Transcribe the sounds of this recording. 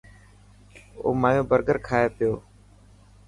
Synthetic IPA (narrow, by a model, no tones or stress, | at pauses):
o̰ːmaːjõːbəɾɡəɾkʰaːeːpɪjoː